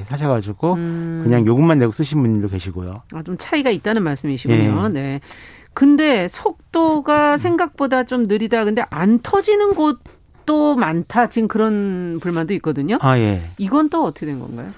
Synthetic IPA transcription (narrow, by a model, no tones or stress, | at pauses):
sʰaɕ̬ʰʌɡad͡ʑiɡokɯɲaŋjoɡɯmanːe̞ɡos͈ɯɕʰinbuɲidoke̞ɕʰiɡojo̰at͡ɕomt͡ɕʰaiɡait̚t͈anɯnmaɭs͈ɯmiɕʰiɡoɲone̞ | kɯnde̞sʰok̚t͈oɡasʰe̞ŋɡak̚p͈odat͡ɕomnɯɾidakɯnde̞ʔantʰʌd͡ʑinɯnɡot͈ | omantʰat͡ɕinkɯɾʌnpuɭmandoik͈̚ʌdɯɲoaje̞iɡʌnt͈oʌt͈ʰʌ̥kʰdwenɡʌ̰nɡa̰jo